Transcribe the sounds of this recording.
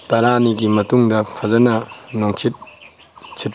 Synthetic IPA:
tɐɾaniɡimɐtuŋdɐpʰɐzɐnɐnoŋt͡ʃʰit̚ | t͡ʃʰit̚

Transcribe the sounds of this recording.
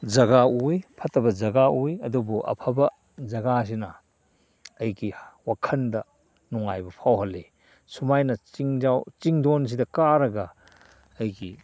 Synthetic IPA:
d͡ʒɐɡaujpʰɐtɐbɐd͡ʒɐɡaujɐdubuʔɐ̰pʰɐbɐ | d͡ʒɐɡas̬inɐ | ɐjɡiwakʰɐndɐ | nuŋajbɐpʰawɦɐlːe | sumajnɐt͡ʃiŋd͡ʒawt͡ʃiŋdons̬idɐkaɾɐɡɐː | jɡi

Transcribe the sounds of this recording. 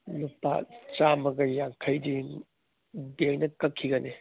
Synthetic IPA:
nupa̰t͡ʃamɐɡɐjaŋkʰɐjdi | bejnɐkɐkʰːiɡɐni

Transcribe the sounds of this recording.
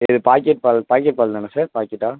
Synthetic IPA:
ɪðɯpaːkːɛʈ̚palpaːkːɛʈ̚palnanɐsaːɾpaːkːɛʈːaː

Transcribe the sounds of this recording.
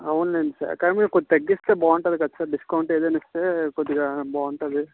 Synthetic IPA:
ɐʋunlenɖisa̰ːɾkɐɾmiɐkɔd̪t̪ɐɡːist̪eːbaːɳʈɐðukɐt̪ːsaːɾɖiskɐwɳʈeːðeːnɐst̪eːkoðiɡɐbaːɳʈɐðɯ

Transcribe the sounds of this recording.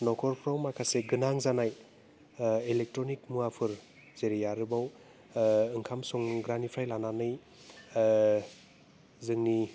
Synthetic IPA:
nɔkʰɔɾpʰɾawmakʰaseɡɯnaŋzanaj | elek̚tɾɔnik̚muapʰɯɾ | zeɾijaɾɯbaw | ɯŋkʰamsɔŋɡɾanipʰɾajlananɯj | zɯŋni

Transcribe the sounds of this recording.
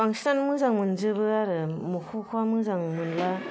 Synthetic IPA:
kaŋstanmɯzaŋmɯnzɯbɯaɾɯmukʰukʰwamɯzaŋmɯnla

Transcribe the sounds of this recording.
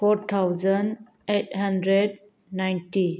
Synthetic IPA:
pʰɔɾt̪ʰawzən | ethandɾed̚ | najnti

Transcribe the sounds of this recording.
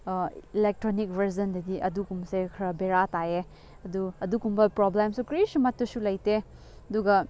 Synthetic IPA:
ilek̚tɾonik̚bɐɾzɐndɐɡiʔɐdukumsekʰɐɾɐbeɾataje | ɐduɐdukumbɐpɾoblemsukɾisumɐtːusulɐjte | ɐduɡɐ

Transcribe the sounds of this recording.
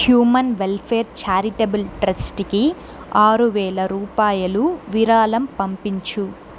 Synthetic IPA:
hjuːmɐnʋelpʰeːɾt͡ʃaːɾiʈebulʈɾɐsʈki | aːɾuʋɛːlɐɾuːpaːjɐluʋiɾaːlɐmpɐmpiɲt͡ʃu

